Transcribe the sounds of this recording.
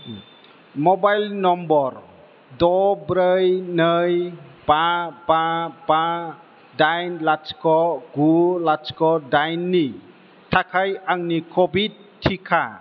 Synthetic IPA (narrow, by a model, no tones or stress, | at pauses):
mɔbajlnɔmbɔɾ | d̪ɔbɾəjnəjbabãbã | dajnlat͡ʃkʰɔɡulat͡ʃkʰɔdajnːi | tʰakʰajaŋnikʰɔbid̚ | tʰːikʰa